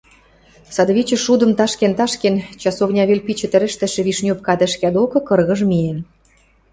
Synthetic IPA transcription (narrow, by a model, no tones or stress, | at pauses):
sɑd̪əβit͡ɕə̆ʃud̪ə̆mt̪ɑʃkent̪ɑʃkent͡ɕɑsovnʲɑβelʲpit͡ɕĕt̪ɘ̆ɾɘ̆ʃt̪ɘ̆ʃĕβiʃnʲop̚kɑd̪ĕʃkʲɑd̪okɤ̆kɤ̆rɣə̆ʒmien